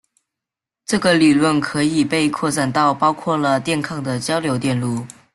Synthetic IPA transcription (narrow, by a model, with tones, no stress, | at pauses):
ʈ͡ʂɤ˥˩ɡə˩li˨˩lwə˥˩nkʰɤ˧˥i˨˩pe˥˧ɪkʰwɔ˥˧ʈ͡ʂa˥˩nt̪ɑ˥˩ʊpɑ˥ʊkʰwɔ˥˩lə˩t̪jɛ˥˧nkʰɑ˥˩ŋd̪ə˩t͡ɕjɑ˥ʊljo˧˥ʊt̪jɛ˥˧nlu˥˩